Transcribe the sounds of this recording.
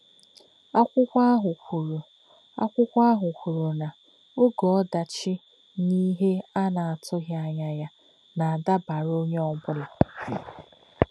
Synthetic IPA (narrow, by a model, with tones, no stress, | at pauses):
a˦kʷʊ˦kʷa˦ɦʊ˨kʷu˨ɾo˨ | a̰˦kʷʊ˦kʷa˦ɦʊ˨kʷu˨ɾo˨na˨ | o˦ɡɔ˨ɔ˦da˨t͡ʃɪ˦ | ni˦ɦe˦a˦na˨a˨tʰʊ˦ɦja˦ɲa˦ja˦ | na˨a˨da˦ba˨ɾo˦ɲe˦ɔ˦bʊ˦lʊ˨